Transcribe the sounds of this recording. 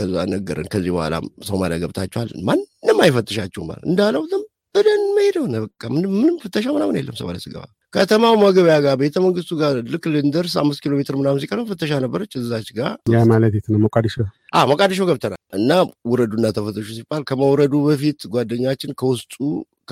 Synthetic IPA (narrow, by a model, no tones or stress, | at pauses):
kʰəzːa̰nəɡːə̰ɾə̰nkʰəzːibə̰hʷa̰lʔa̰səwmala̰ɡəβt̪ʰat͡ʃːɛha̰lmanːɨmːajɪfət̪ʼːəʃat͡ʃːɛma̰lɨ̰nd̪alːəwzəm | b̥əd̪ənməjed̪əwnəbəkʼːamɨnɨmːɨnɨmfət̪ʰʼːəʃ̬amɨnamɨnḛlːəmsə̰wba̰lə̰sɨɡə̰βa̰ | kʰət̪ʰəmawməɡəβjaɡaɾbəet̪ʰəməŋɡɨst̪uɡalɨkːlɨnd̪əɾsa̰mːɨs̬t̪kʰilo̞met̪ʰɨɾmɨnamzikʼalmfət̪ʼːəʃ̬anəbːəɾət͡ʃʼːɨzɨzat͡ʃɡajamalət̪et̪nəwməkʼad̪əʃəʔaməkʼad̪əʃ̬əwɡəβt̪ʰənalʔɨnːawʊɾəd̪unːat̪ʰəfət̪ʼːəʃusibalkʰəməwɾəd̪ubəfit̪ɡʷad̪ːəɲːat͡ʃːɪnkʰəwʊst̪ʼṵ